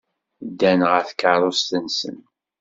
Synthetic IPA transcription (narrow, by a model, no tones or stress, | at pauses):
d̪ːænʁæθkːəɾˤost̪ənsə̰n